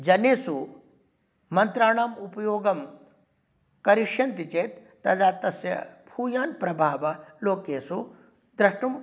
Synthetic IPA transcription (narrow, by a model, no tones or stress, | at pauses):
d͡ʒɐneːsu | mɐnt̪ɾaːɳaːmupɐjoːɡɐm | kɐɾiʂjɐnt̪it͡ʃeːt̪ːɐd̪aːt̪ɐsjɐ̰bʱuːjaːnpɾɐbʱaːʋɐloːkeːsu | d̪ɾɐʂʈum